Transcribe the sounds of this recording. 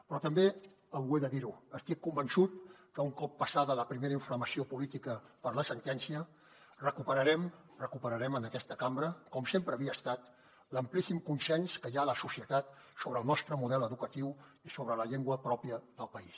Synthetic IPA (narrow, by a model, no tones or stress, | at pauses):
pɾɔt̪əmbe | əweðəðiɾuəst̪ikːumbənsut̪̚kəuŋkɔpːəsaðələpɾimeɾəiɱfləməsiopulit̪ikəpəɾləsənt̪ɛnsiə | rəkupəɾəɾɛm | rəkupəɾəɾɛmənəkɛst̪əkambɾəkɔmsempɾəːβiəːst̪at̪ | ləmplisimkunsɛnskəjaələsusiət̪at̪soβɾəːlˠnɔst̪ɾəmuðɛləðukət̪iwisoβ̞ɾələʎeŋɡwəpɾɔpijəðəlˠpəis